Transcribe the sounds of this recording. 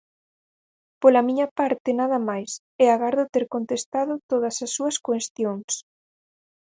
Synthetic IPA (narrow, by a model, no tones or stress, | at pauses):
polɐmiɲɐpaɾt̪ɪnaðɐmajs | ɛaɣaɾðʊt̪ɛɾkont̪est̪aðʊt̪oðɐsɐsːuɐskwest̪joŋs